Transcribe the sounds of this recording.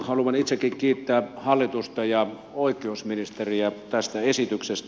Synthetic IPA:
hɑluʋɑnit̪sekːikkiːt̪ːææːhɑlːit̪ust̪ɑjɑ | oikːˑeousminist̪eriæt̪æst̪æesit̪yksest̪

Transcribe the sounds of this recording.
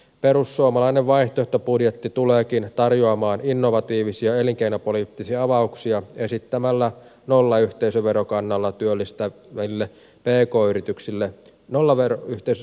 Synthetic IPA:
pe̞ɾusːuomɑlɑineʋʋɑiht̪oeht̪opudjet̪ːit̪uleːkint̪ɑrjoɑmɑːninːo̞ʋɑt̪iːʋisiɑe̞liŋkeinopolit̪ːisiɑɑʋɑuksiɑe̞sit̪ːæmælːæ | nolːɑyht̪eisøʋe̞ɾokɑnːɑlːɑt̪yølːist̪æʋæilːe | peːko̞ːyɾit̪yksilːe | nolːɑʋeɾoyht̪eis

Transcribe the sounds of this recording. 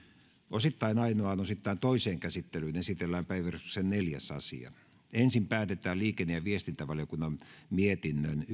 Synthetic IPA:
osit̪ːɑinɑinoɑːnosit̪ːɑint̪oiseːŋkæsit̪ːelyːnesit̪elːæːmpæiʋærsuksenneljæ̰sɑ̰sḭɑ̰ | ensimpæːt̪et̪ˑæːliːkenːejɑʋiest̪int̪æʋɑljokunːɑmmiet̪inːøn

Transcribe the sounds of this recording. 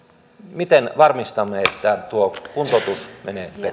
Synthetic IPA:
mit̪enʋɑrmist̪ɑmːeet̪ːæt̪uokunt̪ot̪usmeneːpe

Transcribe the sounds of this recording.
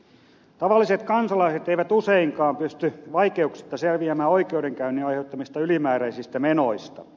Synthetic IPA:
t̪ɑʋɑlːiset̪kɑnsɑlɑiset̪eiʋæt̪useiŋkɑːmpyst̪yʋɑikeuksi̥t̪ːɑselʋiæmæːoikeudeŋkæynːiɑiheut̪ːɑmist̪ɑylimæːɾæisist̪æmenoist̪ɑ

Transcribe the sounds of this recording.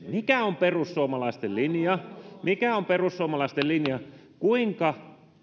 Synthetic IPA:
mikæomperusːuomɑlɑist̪ellinjɑmikæomperussuomɑlɑist̪ellinjɑ | kuiŋkɑ

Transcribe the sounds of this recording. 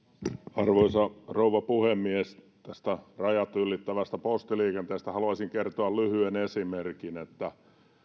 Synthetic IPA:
ɑrʋoisɑrouʋɑpuhemːies | t̪æst̪ærɑjɑt̪ylːit̪ːæʋæst̪æpost̪iliːkent̪eːst̪æhɑluɑsiŋkert̪oɑllyhyenesimerkinet̪ːæ

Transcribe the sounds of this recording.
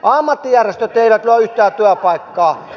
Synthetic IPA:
ʔɑmːɑt̪ːijærest̪øt̪eˑiʋæt̪luɑyht̪æːt̪yøpɑˑikːɑː

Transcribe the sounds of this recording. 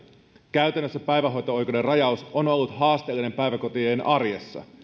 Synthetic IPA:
kæɥt̪ænːøsːæpæjʋæɦo̞jt̪oo̞jkode̞rɑjɑusono̞lːut̪hɑːst̪e̞ːlːine̞mpæjʋæko̞t̪ienʔɑrjesːɑ̰

